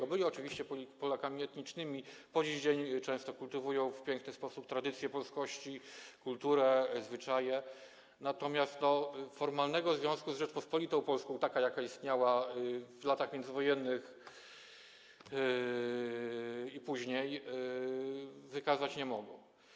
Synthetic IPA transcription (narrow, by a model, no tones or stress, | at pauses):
ɔbɘlʲiɔt͡ʂɘvʲiɕt͡ɕɛppɔlakamʲiɛt̪ɲit͡ʂnɘmʲipɔd͡ʑid͡ʑeɲt͡ʂɛ̃w̃st̪ɔkult̪ɘvujɔ̃w̃fpʲjɛŋknɘspɔsupt̪ɾad̪ɘt̪sʲjɛpɔlskɔɕt͡ɕikult̪uɾɛzvɘt͡ʂajɛ | nat̪ɔmʲjast̪nɔfɔɾmalnɛɡɔzvʲjɔ̃w̃skuzʐɛt͡ʂpɔspɔlʲit̪ɔ̃w̃pɔlskɔ̃w̃t̪akajakaist̪ɲawavlat̪axmʲjɛnd̪zɘvɔjɛnːɘx | ipuʑɲej | vɘkazat͡ɕɲɛmɔɡɔ̰̃w